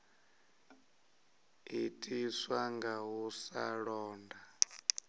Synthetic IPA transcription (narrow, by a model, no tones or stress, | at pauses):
itʼiswaŋɡaɦusa̰ɺɔːnda